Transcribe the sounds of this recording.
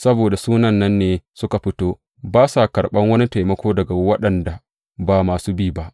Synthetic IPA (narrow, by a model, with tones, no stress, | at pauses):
sɐ˦boː˨da˨suː˦nɐ˨nːɐ˦nːeː˨sʊ˦ka˨ɸɪ˦toː˦ | baː˦sa˨kɐ˨ɽɓɐ˦ŋwɐ˦ni˦tɐ˨jmɐ˦kʷoː˦dɐ˨ɡa˨wɐ˦ɗɐ˨nda˨ | baː˨maː˨suː˦biː˦˨ba˦ʔ